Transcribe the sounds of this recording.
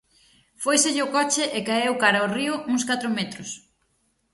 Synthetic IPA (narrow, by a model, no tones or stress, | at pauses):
fojseʎɪʊkɔt͡ʃɪʔekaewkaɾɐoriʊuŋskat̪ɾʊmet̪ɾʊs